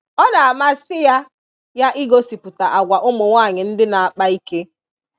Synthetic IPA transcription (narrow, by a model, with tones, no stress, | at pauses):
ɔ˦na˨a˨ma˦sɪ˦ja˦ | ja˦ʔi˦ɡo˦si˨pu˨ta˨ʔa˨ɡʷa˨ʔʊ˦mʊ˨ŋʷa˦˨ɲɪ˨n̩˦dɪ˦na˨a˨k͡pa˦i˦ke˦